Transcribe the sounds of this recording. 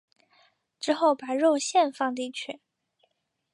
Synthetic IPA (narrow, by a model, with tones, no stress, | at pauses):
ʈ͡ʂɻ̩˥xo˥˩ʊpa˨˩ɻo˥˧ʊɕjɛ˥˧nfɑ˥˧ŋt̪̬i˥˧t͡ɕʰy˥˩